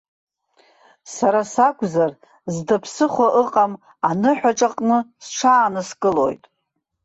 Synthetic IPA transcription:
saɾasakʷʰʼzar | zdapʰsɨχʷaʔɨqʼam | anɨħʷᶣaʈ͡ʂʼaqʼnɨsʈ͡ʂʰaːnɨskʼɨlo̞̰jtʼ

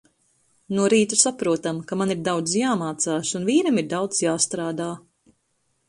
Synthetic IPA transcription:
nuɔɾiːt̪usapɾuɔt̪amkamaniɾd̪awd̪zjaːmaːt̪saːʃunviːɾamiɾd̪awd̪zjaːst̪ɾaːd̪aː

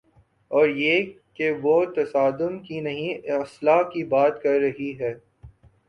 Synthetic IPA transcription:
ɔːɾje | keʋot̪ɐsaːd̪ʊnkinɐɦĩɐslakibaːt̪kɐɾːɐɦiɦɛː

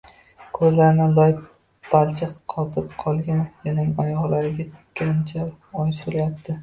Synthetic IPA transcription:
kʰɵzlaɾɪnɪlˠɒj | b̥alt͡ʃʰɪqqʰɒt̪ʰɪp̚qʰɒlˠɡʲanjanaŋɒjɒʁlaɾɪɡʲat̪ʰʊ̥kʲʰːant͡ʃʰa | ɒjsʊɾajap̚t̪ʰɪ

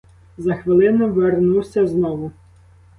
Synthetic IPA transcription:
zɐxʋɪlˠɪnʊʋernuwsʲɐznɔʋʊ

